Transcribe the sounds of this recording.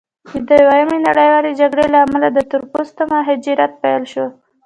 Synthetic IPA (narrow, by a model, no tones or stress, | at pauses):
d̪əjwajamenaɽəjwɑled͡ʒaɡɽelaːmalad̪ət̪ʊɾpost̪amaɦɪd͡ʒiɾat̪̚pajlʃo